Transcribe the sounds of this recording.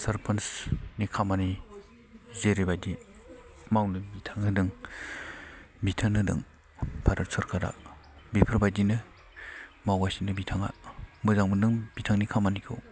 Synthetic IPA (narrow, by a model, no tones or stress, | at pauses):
sɐɾpʰɐnsnikʰamani | zeɾebajdi | mawnɯbitʰaŋnɯdɯŋ | bitʰanɯdɯ̰ŋ | pʰaɾɯɾsʰɯɾkʰaɾa̰ | bipʰɯɾbajdinɯ | mawasinɯbitʰaŋa̰mɯzaŋmɯdɯŋb̥itʰaŋnikʰamanikʰɯ̰w